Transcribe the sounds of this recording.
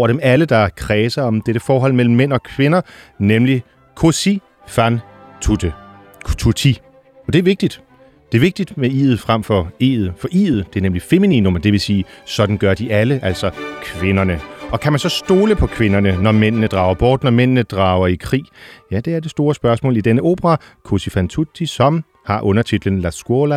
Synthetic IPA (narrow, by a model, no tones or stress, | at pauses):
ɒʊɐɾ̥emæləd̥ɑ̈kʰʁɛːsɐɒ̽md̥eɾ̥əfɒːɦɒ̽l̰mel̰m̩ːen̰ɒ̽kʰʋe̝nɐnemli | kʰosi | fæn | t͡sʰut͡sʰi | ɒ̽d̥eæɐʋe̝ɡ̥̚d̥id̥ | d̥e̝æɐʋe̝ɡ̥̚d̥id̥meḭːð̩ˠfʁam̰fɒ̽ḭːð̩ˠfɒ̽ʔḭːð̩ˠd̥e̝æɐnemlife̝minḭnomɐd̥e̝ʋe̝siːsɒ̽d̥n̩ɡ̥ɶɐd̥iʔæləʔæl̰sɒ̽kʰʋe̝nɐnəʔɒ̽kʰæmænsɒ̽sd̥o̝ːləpʰɒ̽kʰʋe̝nɐnənɒmen̰nəd̥ʁɑ̈ʊɐb̥ɒːd̥nɒmen̰nəd̥ʁɑ̈ːʊɐikʰʁḭːjæd̥e̝æɐd̥e̝sd̥o̝ːɐsb̥ɶɐsmɔ̰̽ːlid̥enəo̝̰ːb̥əʁɑkʰosifænt͡sʰut͡sʰisɒ̽m | hɑ̈ʔɔ̽nɐt͡sʰid̥l̩ən̩læsɡ̥olæ